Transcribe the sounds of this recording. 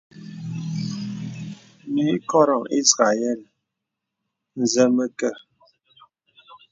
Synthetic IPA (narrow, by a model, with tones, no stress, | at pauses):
mi˨˦kɔ˦ɾɔ˨ŋi˦sɣa˨jɛ˦˨l | n̩˨zə˦mə˦kə˦˨